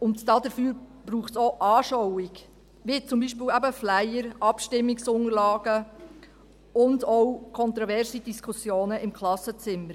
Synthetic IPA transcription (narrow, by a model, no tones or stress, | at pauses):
ʊntd̥ɑːdəfyːɾb̥ɾuːχtsoːʔɑːʃɔwɪɡ | vit͡sʊmbiːʃpɪːlæbəflæjəɾɑpʃtɪmːɪksʊŋəɾlɑːɡ̥ə | ʊndɔwkʰɔnt̪ɾɔvɛɾsid̥iskʰusjoːnəɪmkʰlɑsət͡sɪməɾ